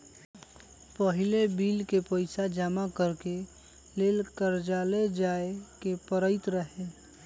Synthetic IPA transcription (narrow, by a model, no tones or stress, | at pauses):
pəɦɪlebiːlkepəɪsad͡ʒaːmakəɾke | leːlkəɾd͡ʒaːled͡ʒaːekepəɾəɪt̪ɾəɦe